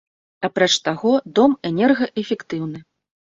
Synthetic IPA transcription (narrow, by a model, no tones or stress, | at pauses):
apɾɔt͡ʂt̪aɣɔd̪ɔmɛnʲɛrɣɐʔɛfʲɛkt̪ɨwnɨ